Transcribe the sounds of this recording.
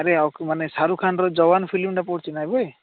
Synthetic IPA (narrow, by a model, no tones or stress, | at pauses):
ɾeakmanesaɾukʰanɾɔd͡zɔbanpʰilimʈapɔɽt͡ʃinajboj